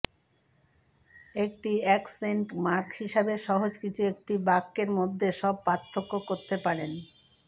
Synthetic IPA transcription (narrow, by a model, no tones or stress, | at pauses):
ek̚ʈiɛkseɳʈmaɾkhiʃabeʃɔɦod͡ʑkit͡ɕʰuek̚ʈibakːeɾmod̪ʱːeʃɔb̚pat̪ʰːokːokoɾt̪epaɾen